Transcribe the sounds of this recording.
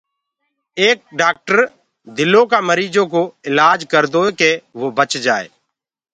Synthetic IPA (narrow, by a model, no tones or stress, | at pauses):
eːk̚ɖaːk̚ʈəɾ | d̪ɪlõːkaːməɾiːd͡ʒõːk̬oːɪlaːd͡ʒkəɾd̪oːeːkeːʋoːbət͡ʃd͡ʒaːḛː